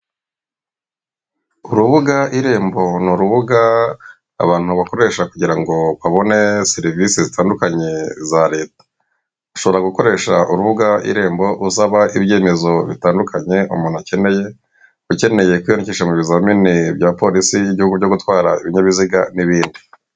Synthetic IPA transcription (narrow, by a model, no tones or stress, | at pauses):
uɾuβuɡaiɾe̞ːmbo̞nuɾuβuɡa̰ː | βaːn̥uβako̞ɾe̞ːʃakuɟiɾaŋɡo̞βaβo̞ne̞seɾivisizitaːndukaɲe̞zaɾe̞ːtḁ | uʃo̞βo̞ɾaɡuko̞ɾe̞ʃaʔuɾuβuɡaḭɾe̞ːmbo̞ɾʔusaβaʔibje̞ːme̞zo̞βitaːndukʰaɲe̞ʔṵmuːn̥ace̞ne̞je̞ | ɡuce̞ne̞je̞kwijoniciːʃamuβizaminibjaːpo̞ɾisiiβɟihuɡuβɟo̞ɡutwaːɾaiβiɲaβiziɡaniβiːndi